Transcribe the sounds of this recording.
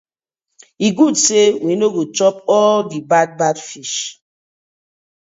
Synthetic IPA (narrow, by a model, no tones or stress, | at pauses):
iɡudsewinoɡot͡ʃɔp̚ɔldibad̚badfiʃ